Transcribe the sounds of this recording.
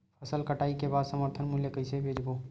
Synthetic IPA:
pʰəsəlkəʈaːikebaːd̪səməɾt̪ʰənmʊljəkəɪsebʱeːd͡ʒboː

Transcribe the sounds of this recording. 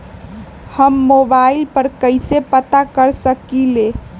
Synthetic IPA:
həmːobailpəɾkəɪsepət̪akəɾsəkile

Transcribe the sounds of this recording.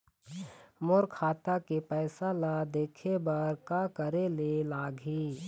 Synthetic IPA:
moɾkʰaːt̪akepɛːsalad̪eːkʰebɐɾkakəɾelelaːɡʱiː

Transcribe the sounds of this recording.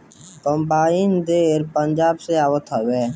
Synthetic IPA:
kəmbaːind̪eːɾpənd͡ʒaːbseaːʋət̪ɦəʋeː

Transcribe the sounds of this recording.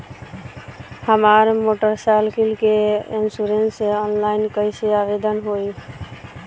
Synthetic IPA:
həmaɾmoʈəɾsalkʰilkeinsuɾenseɔnlaɪnkəjseabed̪ənɦoj

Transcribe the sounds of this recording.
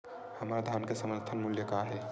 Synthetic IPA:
həmɾad̪ʱjaːnkesəməɾt̪ʰənmuljəkaɦɛ

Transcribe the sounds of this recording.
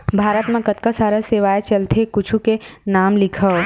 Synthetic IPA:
bʱaːɾət̪mẽkət̪kəsaːɾəseʋaːet͡ʃəlt̪ʰekʊt͡ʃʰukenaːmlɪkʰə

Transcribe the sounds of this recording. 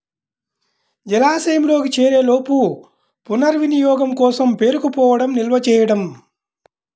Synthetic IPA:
d͡ʒɛlaːsɐjɐmloːkit͡ʃeːɾe̞ːloːpu | punɐɾʋinijɔːɡɐmkɔːsɐmpe̞ːɾukupɔːʋɐɽɐmnilʋɐt͡ʃɛːjɐɽɐm

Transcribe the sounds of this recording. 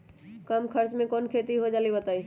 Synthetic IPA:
kɐmkʰəɾt͡ʃmẽkɔːnkʰeːt̪iɦod͡ʒaːlibət̪aːis

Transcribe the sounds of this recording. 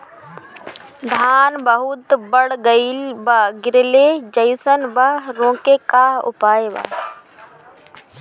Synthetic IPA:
d̪ʱaːnbəɦut̪bəɽɡəilbɐɡɪɾled͡ʒəɪjsənbəɾõːkekaʊ̰paːeba̰

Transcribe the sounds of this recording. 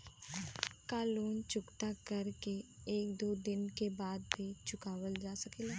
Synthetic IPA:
kaːloːnt͡ʃʊkt̪akɐɾkeeːkd̪oːd̪ɪnkebaːd̪bʰʱit͡ʃʊkaːwəld͡ʒaːsɐkeːla

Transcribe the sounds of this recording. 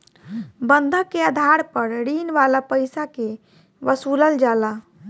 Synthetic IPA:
bənd̪ʱəkeəd̪ʱaɾpəɾɾinʋalapəjsake | ʋəsuləld͡ʒala

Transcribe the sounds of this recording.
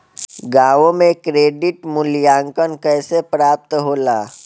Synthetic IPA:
ɡaːʋõmẽkɾeːɖiʈmʊljaːŋkənkəːsepɾaːp̚t̪ɦoːlaː

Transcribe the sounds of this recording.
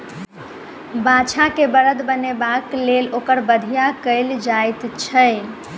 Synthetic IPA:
bat͡ʃʰakebəɾəd̪bənebaklelokəɾbəd̪ʱijakəɪld͡ʒajt̪t͡ʃʰəj

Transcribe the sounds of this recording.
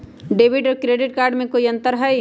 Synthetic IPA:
ɖeːbɪʈɔːɾkɾeːɖɪʈkaːɾɖmẽkoːiɐ̃nt̪əɾɦɛj

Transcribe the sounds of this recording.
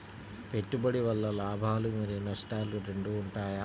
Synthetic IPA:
pe̞ʈːubɐɽiʋɐlːɐlaːbʱaːlumɐɾinɐʂʈaːluɾe̞ɳɖuːɳʈaːja

